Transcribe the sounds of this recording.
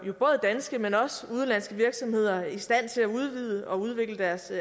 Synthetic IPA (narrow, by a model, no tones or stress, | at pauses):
jo̝b̥ɔ̽ːð̞̩ˠəd̥ænsɡ̥əmenɒ̽səuð̞ˠnlæn̰sɡ̥əʋiɐɡ̥sɒ̽mhe̝ð̰ˠɐisd̥æn̰t͡sʰe̝læuð̞ˠʋið̞̰ˠəʔɒ̽uð̞ˠʋe̝ɡ̥ləd̥æɐs